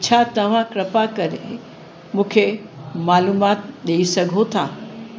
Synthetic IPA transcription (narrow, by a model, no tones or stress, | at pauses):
t͡ɕʰat̪ɐʋ̤ãkɾɐpakɐɾḛ | mũːkʰemaːluːmaːt̪ɗeisɐɡʱot̪ʰaː